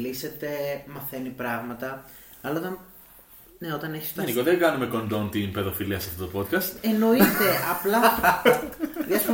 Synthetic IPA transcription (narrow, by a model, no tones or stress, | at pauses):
lise̞t̪e̞mɐθe̞nipɾɐɣmɐt̪ɐ | ɐlɐðɐ | neo̞t̪ɐneçi̥st̪enikoðeŋɡɐnume̞ko̞nd̪o̞nt̪inpe̞ðo̞filiɐsɐft̪o̞t̪opo̞t̪kɐst̪eno̞it̪e̞ɐplɐ | ðiɐsu